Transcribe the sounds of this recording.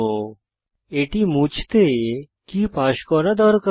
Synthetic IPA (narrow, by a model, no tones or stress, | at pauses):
o | eʈimut͡ʃʰt̪e | kipaɕkɔɾad̪ɔɾkə